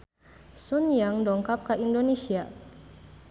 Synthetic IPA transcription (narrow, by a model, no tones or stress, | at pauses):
sunjaŋdɔŋkap̚kaʔindonesia